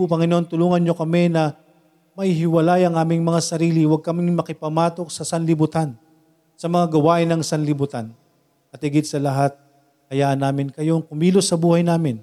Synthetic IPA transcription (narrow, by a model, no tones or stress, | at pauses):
ʊpɐŋɪnoʔont̪ʊluːŋɐnɲo̞kɐmɛnɐ | mɐhɪɦɪwɐlajɐŋʔaːmɪŋmɐŋasɐɾiːlɪwɐɡ̚kɐmɪŋmɐkɪpɐmaːt̪o̞k̚sɐsɐnlɪbʊt̪an | sɐmɐŋaɡɐwaːʔɪnɐŋsɐnlɪbʊt̪an | ɐt̪hɪɡɪd̪sɐlɐɦat̪̚ | kɐjaːʔɐnːaːmɪnkɐjoŋkʊmiːlosɐbuːhɐjnaːmɪn